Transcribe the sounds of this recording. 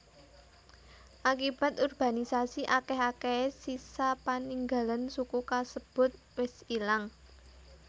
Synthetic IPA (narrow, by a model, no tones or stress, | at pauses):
ʔakib̥a̤t̪urb̥a̤nisasiʔakɛɦakesisapaniŋɡa̤lansukukasəb̥ʊ̤t̪̚wɪsilaŋ